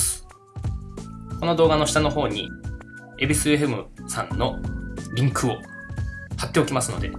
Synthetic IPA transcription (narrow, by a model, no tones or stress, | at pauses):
ko̞no̞d̪o̞ːɡano̞ɕi̥t̪ano̞ɦo̞ːɲ̟ḭ | ebɯsɨeɸɯmɯ̟sãnːo̞ɾʲĩŋkɯ̟o | hat̪ːe̞o̞kʲimasɨno̞̰d̪e̞̰